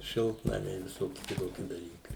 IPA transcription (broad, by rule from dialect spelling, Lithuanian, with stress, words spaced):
ˈʃʲɪlˠtnɐmʲɛɪ ʋʲɪˈsoːkʲɪ kʲɪˈtoːkʲɪ dɐˈlʲiːkɐɪ